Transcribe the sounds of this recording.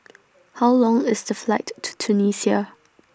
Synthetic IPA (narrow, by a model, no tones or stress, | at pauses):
haʊlɔ̃ŋɪsdəflaɪtʰːu̥tʰunisia